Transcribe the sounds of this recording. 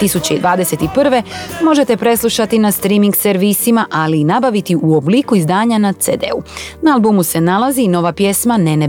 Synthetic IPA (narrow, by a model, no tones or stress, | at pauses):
t̪isut͡ɕeid̪ʋaːd̪e̞se̞t̪ipr̩ʋe̞mo̞ʒe̞t̪e̞pɾe̞slˠuʃat̪inast̪ɾimiŋɡseɾʋisimaʔaliːnabaʋit̪iʔuo̞bliːkuizd̪aːɲanat̪seːd̪ḛunaalˠbumuse̞nalaziːno̞ʋapje̞smanene